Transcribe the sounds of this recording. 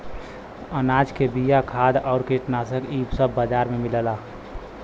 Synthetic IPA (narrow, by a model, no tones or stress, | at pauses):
ənaːd͡ʒkebijakʰaːd̪ɔʊɾkiʈnasəkiːbsəbːəd͡ʒaɾmemiləla